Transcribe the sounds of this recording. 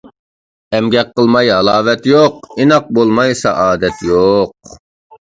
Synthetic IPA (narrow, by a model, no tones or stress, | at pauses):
ɛmɡʲɛqʰːəlˠmɑjɦɑlˠɑːvɛt̪joqinɑq̚bolˠmɑjsɑ̰ʔɑːd̪ɛt̪ʰjoq̚